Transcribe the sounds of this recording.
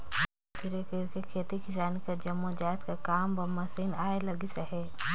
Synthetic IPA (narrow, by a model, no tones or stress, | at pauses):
t̪ʰiɾekekekʰeːt̪ikɪsaːnikad͡ʒɐmːod͡ʒaːt̪kakaːmbɐmɐsiːnaːelɐɡisəɦɛː